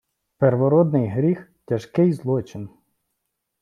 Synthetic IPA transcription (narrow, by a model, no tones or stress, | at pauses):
peɾʋɔɾɔd̪nɪjɦɾʲixtʲɐʃkɪjzlˠɔt͡ʃɪn